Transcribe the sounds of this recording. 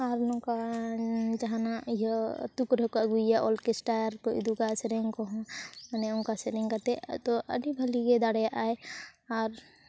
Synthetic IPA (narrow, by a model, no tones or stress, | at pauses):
aɾnɔ̃ka | d͡ʒaɦanaiɦɔt̪ukɾɔkɔəɡuijaʔɔlkɛsʈaɾkɔḭd̪ukasɛɾɛŋkɔɦɔ̃manɛɔŋkasɛɾɛŋkat̪ɛt̪ɔʔə̰ɖibʱəlikɛd̪aɽɛjaʔajaɾ